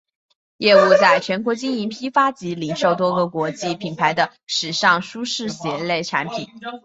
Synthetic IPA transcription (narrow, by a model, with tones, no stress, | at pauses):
jɛ˥˧u˥˧t͡sa˥˩ɪt͡ɕʰɥɛ˧˥nkwɔ˧˥t͡ɕi˥ŋi˧˥npʰi˥fa˥t͡ɕi˧˥li˨˩ŋʂo˥˩ʊt̪̬wɔ˥ɡə˥˨kwɔ˧˥t͡ɕi˥˩pʰi˨˩npʰa˧˥ɪd̪ə˧ | ʂɻ̩˨˩ʂɑ˥˩ŋʂu˥ʂɻ̩˥˩ɕjɛ˧˥le˥˩ɪʈ͡ʂʰa˧˥npʰi˨˩˦n